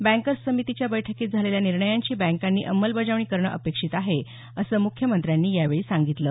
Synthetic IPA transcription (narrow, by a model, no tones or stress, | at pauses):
bæ̃ŋkəɾsəmit̪it͡ɕjabəjʈʰəkiːt̪d͡zʱaleljaniɾɳəjaɲt͡ɕiːbɛ̃ŋkanːiːʔəmːəlbəd͡zaʋɳ̃iːkəɾɳə̰ʔəpekʂiːt̪aɦe | əsəːmukʰjəmənt̪ɾjanːiːjaʋeɭiːsaŋɡit̪ləː